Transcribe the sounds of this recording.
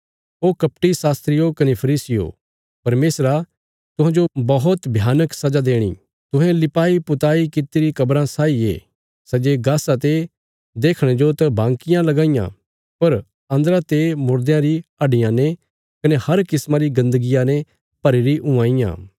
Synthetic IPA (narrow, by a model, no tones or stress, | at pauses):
oːkɐp̚ʈisaːst̪ɾɪjokɐnepʰɐɾiːsɪjo̰ | pɐɾmeːsɾa | t̪ʊ̃ɦãːd͡ʒobɐɦʊt̪bʱjaːnəksɐd͡ʒad̪eːɽ̃ḭ | t̪ʊ̃ɦɛ̃lɪpaːipʊt̪aːikɪt̪iɾikɐbɾãsaːiḛː | sɛd͡ʒeɡaːsat̪̬e | d̪eːkʰɽ̃ẽd͡ʒot̪ɐbãːŋkɪjãlɐɡaːɪjã̰ | pɐɾ | ɐ̃nd̪əɾat̪emʊɾd̪jãɾiɐɖɪjãne | kɐnehɐɾkɪsmãɾiɡɐ̃nd̪əɡɪjanẽ | pɐɾeɾiʔʊ̃ãːɪjã̰ː